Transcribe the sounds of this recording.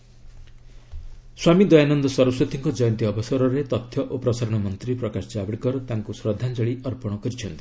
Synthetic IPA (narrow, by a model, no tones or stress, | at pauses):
swamid̪ɔjanɔnd̪ɔsɔɾɔsɔt̪ʰiŋkɔd͡ʒɔjɔnt̪iɔbɔsɔɾɔɾet̪ɔt̪ʰjɔʔopɾɔsaɾɔɽ̃ɔmɔnt̪ɾipɾɔkasɔd͡ʒabɽkɔɾɔt̪aŋkusɾɔd̪ʱand͡ʒɔɭiɔɾpɔɽ̃ɔkɔɾit͡ʃʰɔnt̪i̥